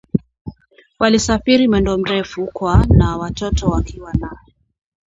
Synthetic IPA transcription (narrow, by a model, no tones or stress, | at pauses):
walisafiɾimwɛndɔm̩ɾɛfukwanawatɔtɔwakiwanaɛ